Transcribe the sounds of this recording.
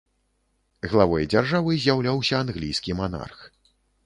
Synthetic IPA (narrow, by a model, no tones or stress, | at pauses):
ɣlˠavɔjd͡zʲarʐavɨzʲjawlʲawsʲɐanɣlʲijskʲimana̰rx